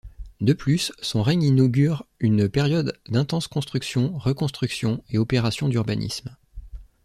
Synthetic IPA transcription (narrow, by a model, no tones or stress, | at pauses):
d̪əplysːɔ̃ʁɛɲinɔɡʲyʁynpeʁjɔd̪ːɛ̃t̪ɑ̃skɔ̃st̪χyksjɔ̃ʁəkɔ̃st̪χyksjɔ̃eɔpeʁasjɔ̃d̪yʁbanʔḭsm